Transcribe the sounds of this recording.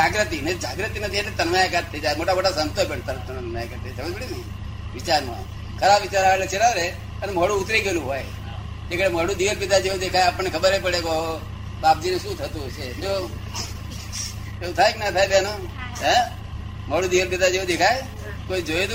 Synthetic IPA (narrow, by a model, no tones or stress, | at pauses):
d͡ʒaɡɾət̪inəd͡ʒaɡɾət̪inət̪ʰiat̪et̪ənʋajakat̪ʰːəid͡ʒajmoʈamoʈasə̃nt̪opəɳt̪ət̪ənmajakəɾt̪ʰəit̪ʰəebiɽinəi | ʋɪt͡ʃaɾmã̰ | kʰəɾabʋɪt͡ʃaɾaʋelet͡ʃʰeɾaʋɾe | əneməɽũːt̪ɾiɡelũɦoːj | d͡ʒekəɽeməɽũd̪iʋəɾp̬id̪ʱad͡ʒeod̪ekʰajaːpəɳnekʰəbəɾɦepəɽeko | bap̚d͡ʒineʃũt̪ʰət̪ut͡ʃʰed͡ʒo | eũt̪ʰaeknat̪ʰaːjt̪ano | ɦɛ̃ | m̤əɽũd̪iʋəɾpid̪ʱad͡ʒeũd̪ekʰaj | koid͡ʒoet̪